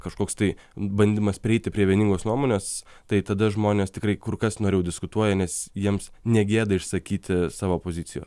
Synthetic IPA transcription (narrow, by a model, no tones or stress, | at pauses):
kɐʃkoːkst̪ɐɪ | bɐnʲd̪ʲɪmɐspʲɾʲɪɛɪt̪ʲɪpʲɾʲiɛʋʲiɛnʲɪŋɡoːsnuɔmoːnʲeːs | t̪ɐɪt̪ɐd̪ɐʒmoːnʲeːst̪ʲɪkrɐɪkʊrkɐsnoːɾʲejʊd̪ʲɪskʊt̪uɔjɛnʲɛsjiɛmsnʲɛɡʲeːd̪ɐɪʃsɐkʲiːt̪ʲɪsɑːʋoːpoːzʲɪtt͡s̪ʲɪjoːs